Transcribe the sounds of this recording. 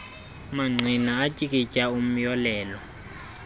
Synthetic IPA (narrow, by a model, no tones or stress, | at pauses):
maŋ͡ǀʱinaːtʼikʼit͡ʃʼaum̩jɔlɛːlɔ